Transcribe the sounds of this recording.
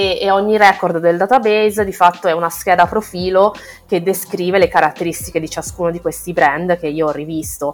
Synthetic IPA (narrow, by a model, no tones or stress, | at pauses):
eeɔɲːiɾɛkord̪ːeld̪aːt̪abejzd̪ifat̪ːoɛunask̟ɛːd̪apɾofiːlo | ked̪ːeskɾiːvelekaɾat̪ːeɾist̪iked̪it͡ʃaskuːnod̪ikwest̪ibɾɛnd̪k̟eiːoɔrivist̪o